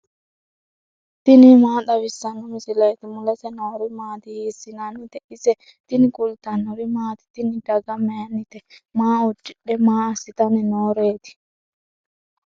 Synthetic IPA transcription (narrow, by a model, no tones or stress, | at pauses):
t̪ɪnimaːɗ̪ɐwɪsːɐnːɔmɪsɪlɐjt̪ɪmʊlɐsɛnoːɾɪmaːt̪ɪhiːsːɪnɐnɪt̪ɛʔɪsɛ | t̪ɪnɪkʼʊlt̪ɐnːɔɾɪmaːt̪ɪ̥t̪ɪnɪd̪ɐɡɐmenːɪt̪ɛmaːʊd͡ʒːɪɗːɛmaːsɪt̪ɐnɛnoːɾeːt̪ɪ̥